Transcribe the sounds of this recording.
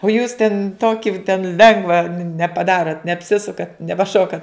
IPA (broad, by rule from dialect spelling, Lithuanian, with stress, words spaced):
oː juːs tʲɛn ˈtoːkʲɪ tʲɛn ˈlʲɛŋɡʋɐ nʲɛpɐˈdɑːroːt nʲɛɐpʲˈsʲɪsʊkɐt nʲɛpɐˈʃoːkɐt